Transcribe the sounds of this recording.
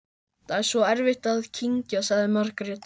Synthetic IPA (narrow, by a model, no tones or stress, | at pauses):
t̪ʰaɛɾ̥svɔɛɾvɪht̪aðcʰiɲcasaɣðɪmœɾ̥kɾɪ